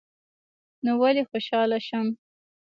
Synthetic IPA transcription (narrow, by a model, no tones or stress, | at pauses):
nowalexoʃɑlaʃam